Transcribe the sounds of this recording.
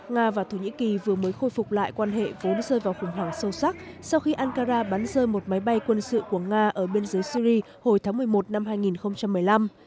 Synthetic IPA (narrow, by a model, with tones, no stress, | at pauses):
ŋaː˧vaː˨˩t̪ʰo˧˩ɲḭ˧˥ki˨˩vɨ˨˩əməː˨˦jxo˧jfʊ˨˩k͡p̚la̰ː˧˨jkwaː˧nɦḛ˧˨vo˨˦nzəː˧jvaː˨˩wxʊ˧˩ŋ͡mɦwaː˧˩ŋsə˧wsa˦˥k̚ | sa˧wxi˧ʔaː˧nkaː˧zaː˧ɓa˨˦nzəː˧jmo˨˩t̚ma˨˦jɓa˧jkwə˧nsɨ̰˧˨ku˧˩əŋaː˧ʔəː˧˩ɓe˧ənzəː˨˦jsi˧ɾi˧ | ho˧˩jt̪ʰaː˨˦ŋmɨ˨˩əjmo˨˩t̚na˧mɦaː˧jŋi˨˩nxə˧wŋ͡mt͡ɕa˧mːɨ˨˩əjla˧m